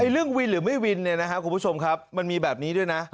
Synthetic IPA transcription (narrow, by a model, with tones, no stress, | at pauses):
ʔa˧jɾɯ˥˩əŋwi˧nɾɯː˩˦ma˥˩jwi˧nːi˥˩ɐna˦˥kʰa˦˥ku˧n˧pʰu˦˥˩t͡ɕʰo˧mkʰa˦˥p̚ma˧nmiː˧bɛː˨˩p̚niː˦˥du˥˩əjna˦˥